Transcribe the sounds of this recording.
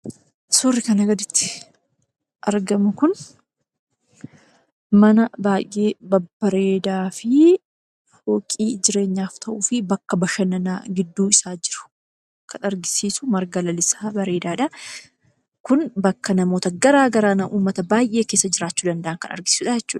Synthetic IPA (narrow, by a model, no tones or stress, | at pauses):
sʊrːɪkɐnɐɡɐd̪ɪt̪ːɪ̥ | ʔɐɾɡɐmʊkʊn | mɐnɐbaːjʔe̞ːbɐbːɐɾe̞ːd̪aːfɪ | ho̞ːkʼiːd͡ʒɪɾe̞ːɲːaːft̪ʰɐʔuːfɪbɐkːɐbɐʃɐnɐnaːɡɪd̪ːuːɪsaːd͡ʒɪɾʊ̥ | kʰɐnɐɾɡɪsiːsʊmɐɾɡɐlɐlɪsaːbɐɾe̞ːd̪aːᶑɐ | kʊnbɐkːɐnɐmo̞ːt̪ɐɡɐɾaːɡɐɾaːnɐʔuːmːɐt̪ɐbaːjʔe̞ːkeːsːɐd͡ʒɪɾaːt͡ʃːuːd̪ɐnd̪ɐʔɐnkɐnɐ̰ɾɡɪsi̥ːsuːᶑɐjd͡ʒɛt͡ʃːuːᶑɐ̥